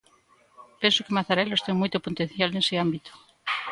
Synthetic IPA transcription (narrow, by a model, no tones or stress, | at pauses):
pensʊkɪmaθaɾɛlost̪eŋmojt̪opont̪ẽn̟θjaleŋsɪambit̪o̥